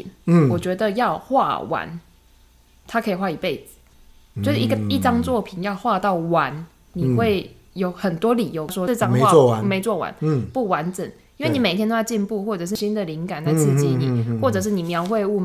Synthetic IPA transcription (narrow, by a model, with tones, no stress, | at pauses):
nwɔ˨˩t͡ɕɥɛ˧˥d̪ə˧jɑ˥˧ʊxwa̰˥˧wa̰˧˦n | t̪ʰa˥kʰə˧˥i˨˩xwa˥˩i˨˩pe˥˩ɪd͡zɨ̥˨˩ | t͡ɕjʂɻ̩˥˩i˧˦ɡə˨˩i˥˩ʈ͡ʂɑ˥ŋt͡swɔ˥˨pʰi˨˩njɑ˥˧ʊxwa˥˧t̪ɑ˥˩ʊwa˧˦n | ni˨˩xwe˥˩ɪ | jo˧˥ʊxə˨˩nt̪wɔ˥li˨˩jo˧˦ʊʂwɔ˥˧ʈ͡ʂɑ˥ŋ˨˥˨me˧˥ɪt͡swɔ˥˩wa̰˧˦npu˥˩wa˧˦nʈ͡ʂə˨˩ŋ | i˥nwe˥˩ɪni˨˩e˨˩t̪ʰjno˥jʊt͡ɕi˥˧npu˥˧xwɔ˥˩ʈ͡ʂɤ˨˩ʂ̬ɻ̩˥˩ɕi˦nd̪ə˨li˧˦ŋka˨˩nt͡sa˥˧ɪt͡sʰɹ̩˥˧t͡ɕi˥˩ni˨˩xwɔ˥˩ʈ͡ʂɤ˨˩ʂ̬ɻ̩˥˩ni˨˩mjɑ˧˥ʊxwe˥˧ɪu˥˩